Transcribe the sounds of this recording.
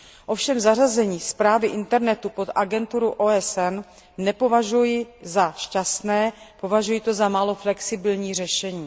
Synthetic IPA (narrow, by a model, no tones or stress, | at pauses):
ʔo̞fʃɛmzarazɛɲiːspɾaːvɪʔɪnt̪ɛɾnɛt̪upo̞t̪ʔaɡɛnt̪uɾuʔoːɛsɛnː | ɛpo̞vaʒujɪzaʃcast̪nɛːpo̞vaʒujɪt̪o̞zamaːlo̞flɛksɪbɪlɲiːr̝ɛʃɛɲiː